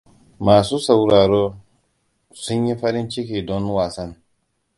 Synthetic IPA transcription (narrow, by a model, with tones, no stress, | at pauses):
maː˨su˦sa˨wɾaː˨ɾo˦ | su˦nji˦fɐ˦ɾi˦nt͡ʃi˦ki˨dɔ˦nwaː˨sɐ˦n